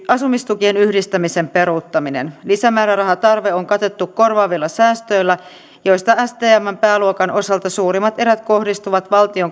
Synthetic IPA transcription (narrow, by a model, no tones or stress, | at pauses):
ɑsumist̪uk̟ienyhdist̪æmise̞mpe̞ɾuˑt̪ːɑminḛnlisæmæːɾærɑɦɑt̪ɑrʋe̞oŋkɑt̪e̞t̪ːukko̞rʋɑːʋilːɑsæːst̪ø̞jlːæ | jo̞jst̪ɑæst̪eːæmːæmpæːluokɑnʔo̞sɑlt̪ɑsuːɾimːɑt̪e̞ɾæt̪ko̞hdist̪uʋɑt̪ʋɑlt̪io̞ŋ